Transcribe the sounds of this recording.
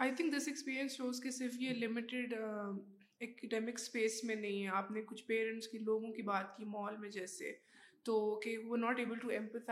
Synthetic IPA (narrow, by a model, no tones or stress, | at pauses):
aːɪt̪ʰɪ̃ŋkd̪ɪsɛkspiːɾiə̃nsʃoːzkesɪɾfjelɪmɪʈɪɖ | ɛkɪɖɛːmɪkspeːsmẽnɐɦĩɦɛaːpnekʊt͡ʃʰpeːɾə̃ɳʈskiloːɡõkibaːt̪̚kimɔːlmẽd͡ʒɛːsḛt̪oːkeuʋəɾnɔːʈeːbəlʈuɛ̃mpət̪ʰa